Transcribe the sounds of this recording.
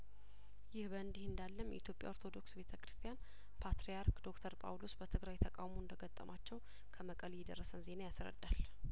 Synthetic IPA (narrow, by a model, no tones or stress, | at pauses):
jɪhbəɨnd̪ihɨnd̪alːəmjʔḭt̪ʰjo̞pʼja̰oɾt̪ʰo̞d̪o̞ksbe̞t̪ʰəkɾɨst̪ʰijan | pʰat̪ɾejaɾkd̪o̞kt̪ʰəɾpʼa̰wlosbət̪ʰɨɡɾajt̪ʰəkʼawmoɨnd̪əɡət̪ʼːə̰mat͡ʃːɛw | kʰəməkʼəljɛd̪ə̰rːəsənze̞najasɾə̰d̪ːal